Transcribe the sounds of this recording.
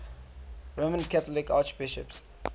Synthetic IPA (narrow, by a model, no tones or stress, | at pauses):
ɹomə̃nkʰætəlɪkat͡ʃbɪʃə̰ps